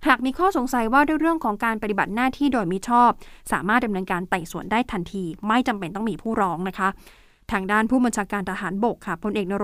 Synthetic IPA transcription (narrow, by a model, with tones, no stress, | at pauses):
haː˨˩k̚miː˧kʰɔː˥˩so˩˦ŋsa˨˩˦jwaː˥˩du˥˩əjɾɯ˥˩əŋkʰɔː˩˦ŋkaː˧npa˧t̪i˨˩ba˨˩t̪̚naː˥˩t̪ʰiː˥˩doː˧jmi˦˥t͡ɕʰɔː˥˩p̚sa̰ː˩˦maː˥˩t̪̚da˧mnɤː˧nkaː˧nt̪a˨˩jsu˨˩əndaː˥˩jt̪ʰa˧nt̪ʰiː˧ma˥˩jt͡ɕa˧mpe˧nt̪ɔ˥˩ŋmiː˧pʰuː˥˩ɾɔː˦˥ŋna˦˥kʰa˦˥ | t̪ʰaː˧ŋdaː˥˩npʰuː˥˩ba˧nt͡ɕʰaː˧kaː˧nt̪ʰa˧ɦaː˩˦nbo˨˩kʰːa˥˩pʰo˧nʔeː˨˩k̚na˧ɾ